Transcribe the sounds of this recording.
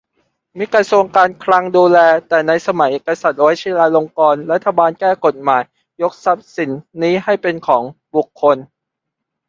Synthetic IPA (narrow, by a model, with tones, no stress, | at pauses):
miː˧kɾa˧su˧əŋkaː˧nkʰla˧ŋduː˧lɛː˧t̪ɛː˨˩na˧jsa˧ma˩˦jʔeː˨˩kːa˧sa˨˩t̪̚wɔ˦˥jt͡ɕʰiː˧˥˩laː˧lo˧ŋkɔː˧nɾa˦˥t̪ʰːa˧baː˧nkɛː˥˩ko˨˩t̪̚maː˩˦jː | o˦˥k̚sa˦˥p̚si˩˦nːiː˦˥ɦa˥˩jpe˧nkʰɔː˩˦ŋbu˨˩kʰːo˧n